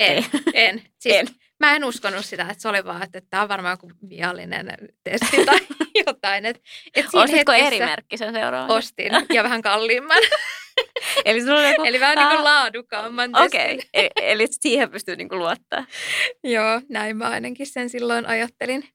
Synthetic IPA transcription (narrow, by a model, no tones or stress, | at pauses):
enen | sin | mæenuskonːussit̪æet̪seoliʋɑ̰ːet̪ːet̪ːæːoʋʋɑrmɑːŋkuʋḭɑlːḭnḛnt̪est̪it̪ɑijot̪ɑinet̪et̪soːshet̪koesɾiːmḛrkːisenseurɑ̰ʋost̪ḭnjɑʋæhæŋkɑlːiːmːɑn | elisilːoljokueliʋæhænnikullɑːdukɑːmːɑnt̪oskeiielit̪siːhempyst̪ynḭŋkuluot̪ːɑ̰ːjoːnæimmæɑinɑkissensilːoinʔɑjɑt̪ːelin